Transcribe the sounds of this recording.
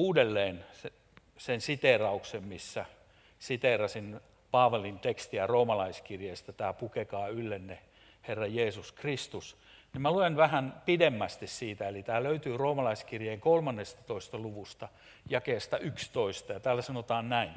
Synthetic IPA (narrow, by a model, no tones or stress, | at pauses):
uːdelːeːnse | sensit̪erɑuksemmisːæ | sit̪erɑsin | pɑːʋɑlint̪ekst̪iæroːmɑlɑiskirjeːst̪æt̪æːpukekɑːylːenːe | herːɑjeːsuskrist̪us | nimæluenʋæhænpidemːæst̪issiːt̪æelit̪æːløyt̪yːroːmɑlɑiskirjeːŋkolmɑnːest̪ɑ̥t̪oist̪ɑluʋust̪ɑ | jɑkeːst̪ɑʔykst̪oist̪ɑjɑt̪æːlːæsɑnot̪ɑːnnæin